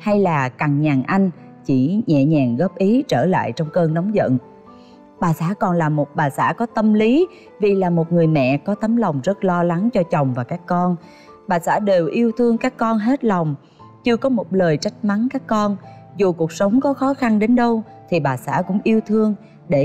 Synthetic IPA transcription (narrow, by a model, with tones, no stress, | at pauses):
ha˧jlaː˨˩ka˨˩ŋɲaː˨˩ŋʔa˧jŋ̟ | t͡ɕi˧˩ɲɛ̰˧˨ɲaː˨˩ŋɣɔ˦˥p̚ʔi˨˦t͡ɕəː˧˩la̰ː˧˨jt͡ɕɔ˧wŋ͡mkəː˧nnɔ˨˦wŋ͡mzə̰˧˨n | ɓaː˨˩saː˧˥kɔ˨˩nlaː˨˩mo˨˩t̚ɓaː˨˩sa̰ː˧˥kɔ˨˦t̪ə˧mli˨˦ | vi˨˩laː˨˩mo˨˩t̚ŋɨ˨˩əjmɛ̰˧˨kɔ˨˦t̪ə˨˦mla˨˩wŋ͡mzə˦˥t̚lɔ˧la˨˦ŋt͡ɕɔ˧t͡ɕə˨˩wŋ͡mvaː˨˩kaː˦˥kːɔ˧n | ɓaː˨˩sa̰ː˧˥ɗe˨˩wʔi˧əwt̪ʰɨ˧əŋkaː˦˥kːɔ˧nɦe˦˥t̚la˨˩wŋ͡m | t͡ɕɨ˧əkɔ˨˦mo˨˩t̚ləː˨˩jt͡ɕa˦˥jk̚ma˨˦nkaː˦˥kːɔ˧nzu˨˩ku˨˩ək̚sə˨˦wŋ͡mkɔ˨˦xɔ˨˦xa˧nɗe˨˦nɗə˧wt̪ʰi˨˩ɓaː˨˩sa̰ː˧˥kʊ̰˧˥ŋ͡mʔi˧əwt̪ʰɨ˧əŋ | ɗe˧˩˨